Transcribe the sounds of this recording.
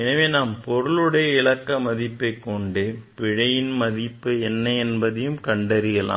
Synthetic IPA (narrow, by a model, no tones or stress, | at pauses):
ɛnɐʋeːnaːmpɔɾɯɭɯɽɐjɐɪɭɐkːɐmɐðɪpːɐɪkːɔɳɖɯpɪɻɐjɪnmɐðɪpːɯɛnːɐɛnbɐðɐjɯmkɐɳɖɐɾɪɣɐla̰ː